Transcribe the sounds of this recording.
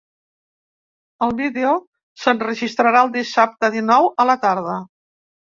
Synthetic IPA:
əlˠβiðeo | sənrəʒist̪ɾəɾaəlˠd̪isap̚t̪əðinɔwələt̪aɾð̞ə

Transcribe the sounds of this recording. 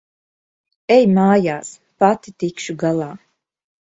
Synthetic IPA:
ɛjmaːjaːs | pat̪it̪ikʃuɡalˠaː

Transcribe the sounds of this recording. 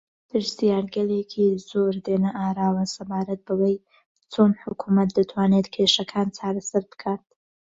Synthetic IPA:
pʰɨɾsijaːɾɡɐleːkʰizoːɾd̪eːnɐʔaːɾaːwɐsɐbaːɾɐt̪̚bɐwɐj | t͡sʰoːnħʊkʰumɐt̪̚d̪ɨt̪ʰwaːnet̪kʰeʃɐkʰaːnt͡sʰaːɾɐsaɾbɨ̥kʰaːt̪̚

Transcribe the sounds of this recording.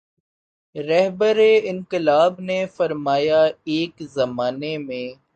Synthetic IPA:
ɾɛɦbəɾeɪ̃ŋqɪlaːbnefɐɾmaːjaeːkzɐmaːnemẽː

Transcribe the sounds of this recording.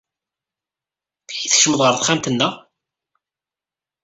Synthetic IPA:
ħiθəʃəməðˤʁəɾθχæmt̪ənːæ

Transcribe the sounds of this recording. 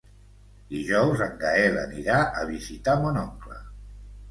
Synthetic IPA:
d̪iʒɔwzəŋɡaɛlə̰niɾaʔəβizit̪amonɔŋklə̰

